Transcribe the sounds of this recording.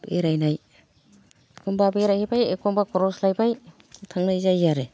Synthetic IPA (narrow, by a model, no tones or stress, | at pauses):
beɾajnaj | kʰombabeɾajhibajekʰɔmbakʰɔɾɔslajbaj | tʰaŋnajzajzaɾe